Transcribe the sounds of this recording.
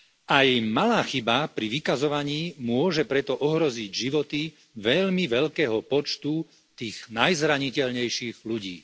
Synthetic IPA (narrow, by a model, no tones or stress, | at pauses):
ajmalaːxibapɾiʋikazɔʋaɲiːmʊɔʒɛpɾɛt̪ɔʔɔɦɾɔziɟʒiʋɔt̪i | ʋɛʎmiʋɛʎkɛːɦɔpɔt͡ʃt̪u | t̪iːɣnajzɾaɲicɛʎɲɛjʃiːɣʎuɟiː